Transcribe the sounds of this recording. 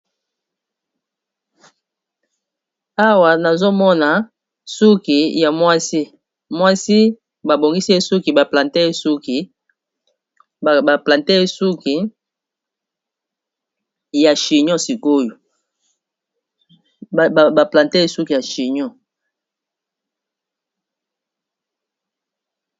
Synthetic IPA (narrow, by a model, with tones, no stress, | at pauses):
a˦wa˨na˨zo˦mɔ˦na˨ | su˦ki˨ja˨mwa˦si˦ | mwa˦si˦ | ba˨bo˨ŋɡi˦se˦su˦ki˨ba˨pla˨ntɛ˦e˦su˦ki˨ | a˨pla˨ntɛ˦e˦su˦ki˨ | ja˨ʃi˨ɲɔ˦si˨ko˦jo˨ | ba˨pla˨nte˦e˦su˦ki˨ja˨ʃi˨ɲɔ˦